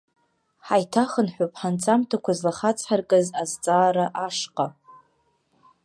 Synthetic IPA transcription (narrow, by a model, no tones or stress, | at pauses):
ħajtʰaχənħʷᶣopʼħant͡sʰʼamtʰakʷʰazlaχat͡sʼʰħarkʼɨzazt͡sʼaːɾaʔaʂqʼa